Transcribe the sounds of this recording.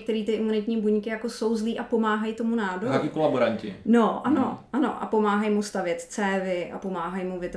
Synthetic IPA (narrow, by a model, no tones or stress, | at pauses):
kt̪ɛɾiːt̪ɪʔɪmunɪt̪ɲiːbuɲkɪjako̞so̞wzliːʔapo̞maːɦajt̪o̞munaːdoakɪkolaboɾaɲcɪ̰noʔano̞ʔano̞̰ʔa̰po̞maːɦajmust̪avjɛt̪t͡sɛːvɪʔa̰po̞maːɦajmuvɪt̪